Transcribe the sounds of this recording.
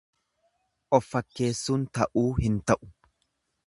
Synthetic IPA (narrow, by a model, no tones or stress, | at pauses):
ʔɔfːɐkːe̞ːsːuːnt̪ɐʔuːhɪnt̪ɐʔʊ̥